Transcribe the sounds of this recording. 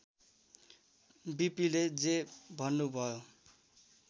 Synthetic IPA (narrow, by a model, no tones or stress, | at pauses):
bipiled͡zebʱʌnːubʱʌjo